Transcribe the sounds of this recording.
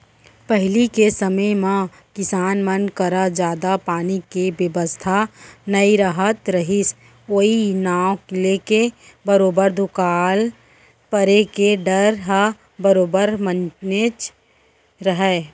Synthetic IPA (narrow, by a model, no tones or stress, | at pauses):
pəɦɪlikesəməjmã | kɪsaːnmənkəɾad͡ʒjaːd̪apaːnikibjəʋəst̪ʰanəiɾaɦət̪ɾɐɦɪs | oːinaːwkleːke | bəɾoːbəɾd̪ʊkaːl | pəɾekeɖəɾɦa | bəɾoːbəɾmənt͡ʃnet͡ʃ | ɾəɦɛː